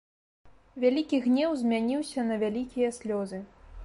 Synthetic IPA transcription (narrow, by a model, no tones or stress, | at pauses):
vʲalʲikʲiɣnʲɛwzʲmʲanʲiwsʲɐnɐvʲalʲikʲijɐsʲlʲɔzɨ